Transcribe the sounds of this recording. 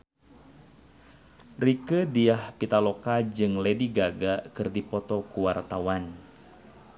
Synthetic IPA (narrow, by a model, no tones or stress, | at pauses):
rikədiahpit̪alokad͡ʒɨŋlediɡaɡakɨrdipɔt̪ɔkuwart̪awan